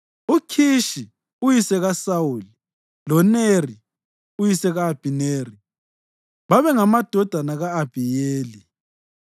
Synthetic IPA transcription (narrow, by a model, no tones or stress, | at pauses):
ukʰiʃi | ujisɛɣasawuli | lɔneri | ujisɛɣaːb̥ʱineːri | βaβɛŋamad̥ʱɔd̥ʱanaɣaːb̥ʱijeːli